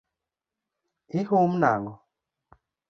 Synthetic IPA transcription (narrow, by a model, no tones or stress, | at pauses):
ihum̩na̰ŋɡɔ